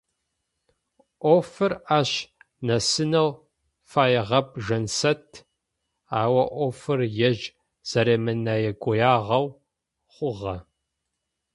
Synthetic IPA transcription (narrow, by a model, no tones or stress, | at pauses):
ʔʷoːfɨraːɕ | nɐsɨnɐw | faːjɛʁɐpʒɐnsɐtʰ | aːwɐʔʷoːfɨrjɛʒ | z̥ɐɾeːmɨnaːjɛɡʷʼɔjaːʁɐw | χʷʊʁɐ